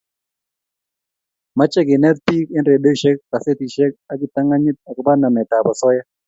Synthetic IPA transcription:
ma˦t͡ʃɛ˦ɡɪ˨nɛ˦t̪̚pi˦kɪ˦nɾe˨do˦ʃɛ˦kːa˨se˦t̪i˨ʃɛ˦k̚a˦ɡɪ˨t̪a˦ŋa˦ɲɪ˦t̪̚a˨kɪ˦ba˦na˨nɛ˨ta˨bɔ˨sɔ˦ja˦

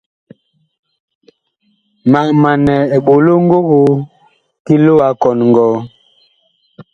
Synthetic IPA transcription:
ma˨ʔma˨nɛ˨e˨ɓo˨lo˦ŋ˦ɡo˦ɣo˨˦ | ki˦lo˦wa˨˦kɔ˨n˨ŋɡɔː˨˦

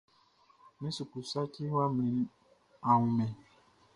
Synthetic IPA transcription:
mĩ˦su˨ku˨sa˦ci˦wa˦m˨nĩ˨˦n | a˨wu˨mɛ̃˨

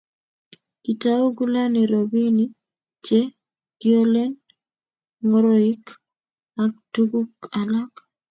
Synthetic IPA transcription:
ki˨ta˦o˦ɡu˦la˦ni˨ɾobi˦ni˦ | t͡ʃe | ɡ̥io˦lɛ˦n | ŋo˦ɾoɪ˦k | ak̚tuɡu˦ka˨la˦k

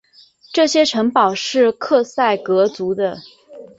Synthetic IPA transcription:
ʈ͡ʂɤ˥˩ɕjɛ˥ʈ͡ʂʰɤ˧˥ŋpɑ˨˩ʊʂɻ̩˥˧kʰɤ˥˧sa˥˩ɪkɤ˧˥t͡su˧˥d̪ə˧

